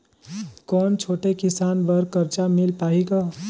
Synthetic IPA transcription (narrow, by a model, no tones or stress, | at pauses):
kɔːnt͡ʃʰoːʈekisaːnbəɾkəɾt͡ʃamilpaɦikɔ